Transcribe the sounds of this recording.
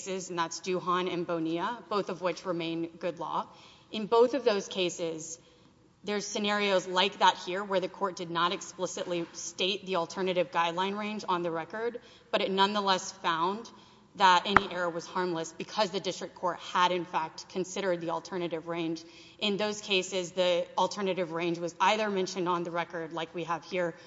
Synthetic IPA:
sɪzn̩ðætsd̥ʉɦɑ̃nɨ̃nboʊniəb̥oʊθʌvwɪt͡ʃɹɨmẽɪ̃nɡʊdˡlɔ̰ | ɨ̃nboʊθʌvðoʊz̥kʰeɪsɪz | ðə˞z̥sɨnɛɹioʊzlaɪk̚ðət̚hiɹwə˞ðɨkʰɔɹt̚d̥ɨdⁿnəɾɨksplɪsɨʔˡlisteɪt̪̚ðil̩ˠtʰɜ˞nɨɾɨvɡaɪdˡlãɪ̃nɹẽɪ̃nd͡ʒn̩ðɨɹɛkə˞d̚ | b̥ʌɾɨtⁿnʌ̃nðəlɛsfãʊ̃n | ðəɾʔɛñiʔɛɹəwʌz̥hɑɹmləsb̥ɨkʰʌzðɨdɪstɹ̥ɨkʰɔɹt̚həɾɨ̃nfæk̚tkʰɨ̃nsɪɾə˞d̪̚ðiəl̩ˠtʰɜ˞nɨɾɨvɹẽɪ̃nd͡ʒ | ʔɨ̃nðoʊz̥kʰeɪsɪzðil̩ˠtʰɜ˞nɨɾɨvɹẽɪ̃nd͡ʒwʌzaɪðə˞mɛ̃nʃɨ̃nd̃n̩ðɨɹɛkə˞dˡlaɪkwiəv̥hiɹ

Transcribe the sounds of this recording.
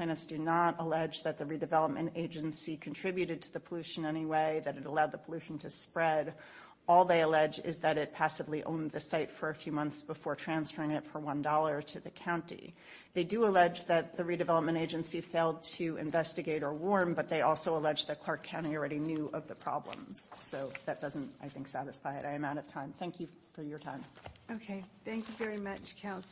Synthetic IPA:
ãɪ̃nɨ̃ntsd̥ɨnəɾəlɛd͡ʒðɨt̪̚ðɨɹidɨvɛlˠəp̚mʔɨ̃nteɪd͡ʒɨ̃n̩sikʰn̩tʰɹ̥ɪbjʉɾɨd̚tʰɨðɨpʰəlʉʃɨ̃n̩ɛñiweɪðɨɾɨɾəlaʊd̪̚ðəpʰəlʉʃn̩tʰɨspɹɛɾ | ɔlˠðeɪəlɛd͡ʒɪ̰zðɨɾɨt̚pʰæsɨvliʔõ̰ʊ̃nðɨsaɪtfə˞ɨfjʉmʌ̃nθsb̥əfɔɹtʰɹ̥æ̃nsfɜ˞ɪ̃ŋɨtfə˞wʌ̃ndɔlˠə˞ɾɨðɨkʰãʊ̃ntḭ | ðeɪdɨəlɛd͡ʒðɨt̪̚ðɨɹiɾɨvɛlˠəp̚mɨ̃ɾ̃eɪd͡ʒɨ̃nsifeɪlˠd̚tʰɨɨ̰̃ɱvɛstɨɡeɪɾə˞wɔɹnbʌt̪̚ðeɪʔɔlˠsoʊəlɛd͡ʒðɨt̚kʰl̥ɑɹkʰãʊ̃ɾ̃il̩ˠɹɛɾinjʉʔʌvðɨpʰɹ̥ɑ̰blə̰̃mz̥soʊðɨt̚d̥ʌz̃n̩taɪθɪ̃ŋksæɾɨsfaɪɨɾaɪɨ̃mãʊ̃ɾ̃ʌv̥tʰãɪ̃mθæ̃ŋkʰjɨ | fə˞jə˞tʰãɪ̃moʊkʰeɪθæ̃ŋkjʉvɛɹimʌt͡ʃkʰãʊ̃ns

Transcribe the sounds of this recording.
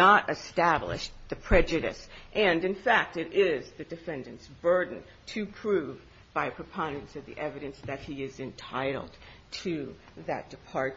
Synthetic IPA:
əɾɨstæblɪ̰ʃðɨpʰɹ̥ɛd͡ʒɨɾɨ̰sʔɨ̃nɨ̃nfæk̚tɨɾɪzðɨdɨfɛ̃ndɨ̃nsb̥ɜ˞dⁿn̩ | tʰɨpʰɹ̥ʉv | b̥aɪpʰɹ̥ɨpʰɑ̃nɨ̃nsʌvðḭʔɛvɨɾɨ̃nsðɨt̚hiɪzɨ̃ntʰaɪɾl̩ˠdtʰɨðɨ̰t̚d̥ɨpʰɑɹ̚

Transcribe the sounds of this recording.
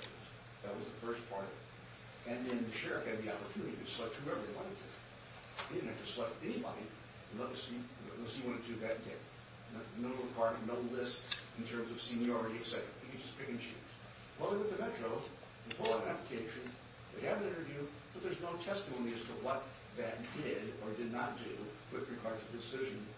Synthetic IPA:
ðɨt̚wʌzðəfɜ˞spʰɑɹɾʌ̰ | ɨ̃nðɨ̃nʃɛɹɨfɨ̃d̪̚ðiɑpə˞tʰʉnɨɾiɨ̥slʌt͡ʃhuɛvɹiɨ̃wɑ̃nɨdʰɨ̰ | iɨ̃nɨtɨ̥slɛk̚tɛñibɑ̰ɾĩ | nlʌtɨsi | siwɑ̃nɨdɨðɨɾdɛ̰d̚ | nnoʊkʰɑɹɾɨnoʊlɪstn̩tʰɜ̃˞mzʌv̥sĩnjɔɹɨɾiɨksɛɾə̰˞ɨ̰ɨkɨ̃d͡ʒʌspʰɪkɨ̃nʃʉ̰z̥ | wɛðə˞wɨððɨmɛt͡ʃɹ̥oʊ | ðɨfoʊlˠəvɨ̃næpləkʰeɪʃɨ̃n | ðeɪɨvɨ̃nɪ̃ñə˞vjʉ | b̥ʌt̪̚ðə˞znoʊtʰɛstəmõʊ̃niɨz̥tʰəwʌt̪̚ | ðɨtdɪɾə˞dɨdⁿnət̚d̥ʉ | wɨðɹɨɡɑɹd̚tʰɨdɨsɪʒɨ̃n

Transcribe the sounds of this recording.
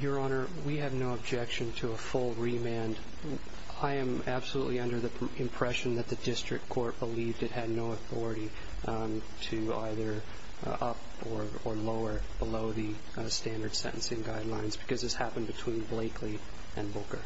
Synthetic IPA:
jə˞ɑnə˞ | wiɨvnoʊəb̚d͡ʒɛkʃɨ̃ntʰɨəfʊlˠɹimæ̃nd | aɪɨ̃m | æb̥səluʔˡliʌ̃ndə˞ðɨ | ɨ̃mpʰɹ̥ɛʃɨ̃n̩ðɨt̪̚ðɨdɪstɹ̥ɨ̰k̚kʰɔɹt̚b̥əlivdɨt̚hɨdⁿnoʊəθɔɹɨɾi | tʰɨ | a̰ɪðə˞ | ʔʌ̰p | ə˞ | ə˞loʊə˞ | b̥əloʊðɨ | stæ̃ndə˞d̥sɛ̰̃ɾʔn̩sɨ̃nɡaɪdˡlãɪ̃nzb̥ɨkʰʌzðɨshæpn̩bɨtʰw̥ĩnbleɪkʰli | ʔɨ̃nbʊlˠkə˞

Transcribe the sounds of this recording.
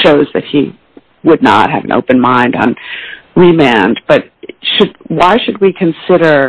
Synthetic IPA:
ʃoʊzðɨ̰t̚hi | wədⁿnə̰t̚hɨ̰vɨ̰̃nʔo̰ʊpɨ̃nmãɪ̃ndn̩ɹimæ̃nb̥ʌt̚ʃɨd̚waɪʃɨd̚wikʰɨ̃nsɪɾə˞

